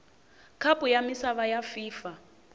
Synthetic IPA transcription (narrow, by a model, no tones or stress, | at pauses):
kʰapʼujamisaβajafiːfa